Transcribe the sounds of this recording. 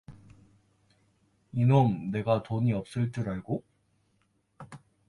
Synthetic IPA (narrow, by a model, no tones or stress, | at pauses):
inomne̞ɡatoɲiʌp̚s͈ɯɭt͈ɯɾaɭɡo